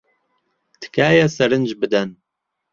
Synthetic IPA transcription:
t̪ʰɨ̥kʰaːjɛsɛɾɨnd͡ʒbɨd̪ɛn

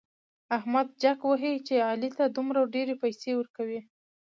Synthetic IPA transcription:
ahmad̪̚d͡ʒakwəɦit͡ʃeɑlit̪ad̪umɾawɖeɾepajsewəɾkawi

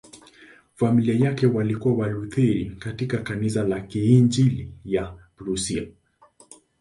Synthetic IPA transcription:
familiajakɛwalikuwawaluθiɾikatikakanisalakiːnd͡ʒilijabɾusia

